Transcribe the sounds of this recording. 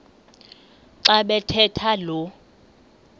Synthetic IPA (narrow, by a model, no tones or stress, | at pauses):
ǀaɓɛtʰɛtʰalɔ